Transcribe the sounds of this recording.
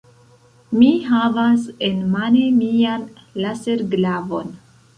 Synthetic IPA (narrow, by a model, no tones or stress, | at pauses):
miɦavase̞nmanemian | lase̞ɾɡlavo̞̰n